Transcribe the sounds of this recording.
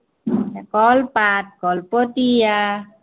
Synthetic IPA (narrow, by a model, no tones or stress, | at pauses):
akɔlpat̪̚kɔlpɔt̪ija